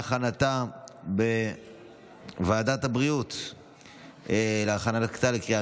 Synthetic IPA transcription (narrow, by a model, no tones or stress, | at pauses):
χanatabe | vaːdathabʁiut̪ | eleaχanatakt̪alekʁia